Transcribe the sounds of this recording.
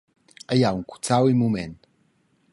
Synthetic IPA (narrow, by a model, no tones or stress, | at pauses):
ajauŋku̥t͡sawimumen